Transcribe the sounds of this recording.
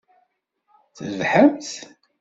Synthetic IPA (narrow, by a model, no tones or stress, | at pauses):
θəvħəmθ